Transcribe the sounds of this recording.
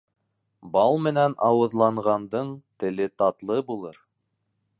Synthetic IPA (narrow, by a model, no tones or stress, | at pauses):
bɑlˠmɘ̆nænɑwɤ̆ðlˠɑɴʁɑnd̪ɤɴt̪ɘ̆lɘt̪ɑt̪lˠɤbulˠɤɾ